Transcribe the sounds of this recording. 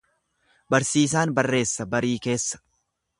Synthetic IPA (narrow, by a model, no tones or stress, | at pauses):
bɐɾsiːs̬aːnbɐrːe̞ːsːɐbɐɾiːke̞ːsːɐ̥